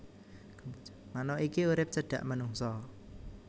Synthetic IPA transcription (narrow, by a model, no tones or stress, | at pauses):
manɔikiuɾɪp̚t͡ʃəɖ̥ä̤̰ʔmənuŋsɔ